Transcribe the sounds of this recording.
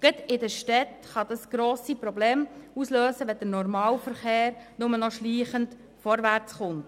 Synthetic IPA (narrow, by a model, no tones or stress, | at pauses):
ɡ̥ədɪdəʃtɛt | χɑd̥̪ɑsɡ̥ɾoːsipɾɔbleːmusløːsəʋɛd̥əɾnɔɾmɑːlfəɾχeːɾnʊmənɔʃliːχənt | fɔɾʋært͡sχʊnt